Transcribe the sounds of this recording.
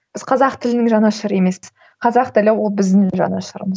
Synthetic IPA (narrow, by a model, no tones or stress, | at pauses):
b̥ɪzqʰɑzɑqt̪ʰɪlɪnɪŋʒɑnɑʃəɾje̞me̞spɪz | qʰɑzɑqt̪ɪlɪwo̞lˠbɪzd̪ɪŋʒɑ̰nɑʃəɾə̰məz